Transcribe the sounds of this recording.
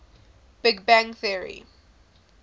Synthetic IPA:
b̥ɪɡbæ̃ŋθiəɹḭ

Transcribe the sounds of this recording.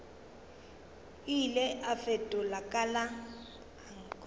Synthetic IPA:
ilɛʔafɛtʼɔlakʼala | aŋk

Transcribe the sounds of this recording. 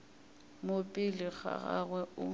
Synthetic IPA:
mopʼɪlɪɣa̰ɣaɣwɛʊ

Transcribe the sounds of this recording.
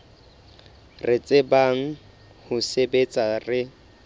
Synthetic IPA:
ret͡sʼebaŋ̩ | hʊsebet͡sʼarɪ

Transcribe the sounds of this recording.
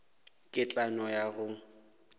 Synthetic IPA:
kʼɪt͡ɬʼanɔjaɣʊ

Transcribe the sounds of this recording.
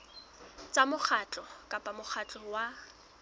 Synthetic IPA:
t͡sʼamʊk͡xʰat͡ɬʼɔkʼapʼamʊχʰat͡ɬʼɔwa

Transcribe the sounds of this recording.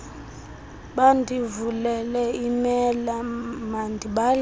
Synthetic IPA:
ɓandʱivulɛlɛimɛlamandʱiɓal

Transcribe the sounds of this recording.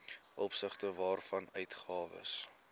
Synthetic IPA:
ʔɔpsəχtəvɑːrfɐnœɥtχɑːvə̰s

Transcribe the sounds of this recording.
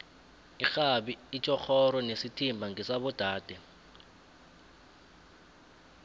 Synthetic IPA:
ixaɓiːt͡ʃʼɔxʰɔɾɔnesitʰimbʱaŋisaɓɔd̥ʱaːd̥ʱɛ

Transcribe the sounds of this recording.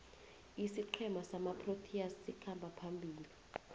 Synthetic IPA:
isiǃʰɛmasamapʰrotʰiasːikʰambʱapʰambʱiːli

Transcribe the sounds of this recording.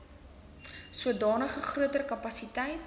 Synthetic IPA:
suədɑːnəχəχruətərkɐpɐsitɛjt

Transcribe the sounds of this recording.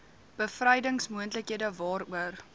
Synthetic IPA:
b̥əfrəjdəŋsmuəntləkɦiədəvɑːɾuər

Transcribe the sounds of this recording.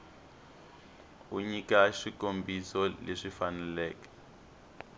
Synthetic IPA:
uɲikaʃikombʱisɔleʂifanɛlɛːkḁ

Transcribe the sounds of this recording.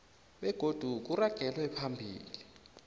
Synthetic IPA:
ɓɛɡ̥ʱod̥ʱuk̬uraɡ̥ʱɛlwɛpʰambʱḭːli

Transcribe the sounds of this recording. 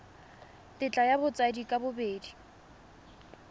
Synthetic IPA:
tʼɪt͡ɬʼajabʊt͡sʼadikʼabʊbeːdi

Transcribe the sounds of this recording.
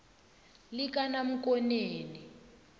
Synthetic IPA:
lik̬ʼanam̩kʼɔneːni

